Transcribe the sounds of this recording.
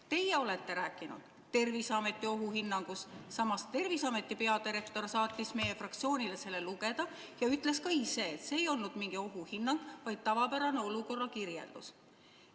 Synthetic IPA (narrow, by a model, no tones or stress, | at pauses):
t̪e̞jeo̞le̞t̪ːe̞ɾæːkːˑinṵd̪̥ | t̪ːe̞rvisɑme̞t̪ːˑio̞ɦuhinːɑŋɡ̥usːɑmɑst̪e̞rvisɑme̞t̪ːˑipe̞ɑd̪iɾe̞k̚t̪o̞rsɑːt̪ʲːˑisme̞je̞frɑk̚t̪sio̞ːnʲile̞se̞lːe̞luɡe̞d̪̥ɑ | jɑyt̪ˑle̞skɑise̞ːt̪seːjo̞lnud̪̥miŋɡ̥io̞ɦuhinːɑŋɡ̥vɑjd̪̥̚t̪ɑvɑpæɾɑne̞o̞luko̞rːɑkirjḛld̪̥us